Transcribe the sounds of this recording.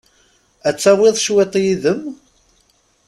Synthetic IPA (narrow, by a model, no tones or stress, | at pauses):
æt͡sːæwɪðˤʃwet̪ˤjiðəm